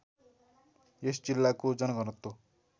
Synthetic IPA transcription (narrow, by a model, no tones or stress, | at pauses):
jesd͡zilːakod͡zʌnɡʌnʌt̪ːo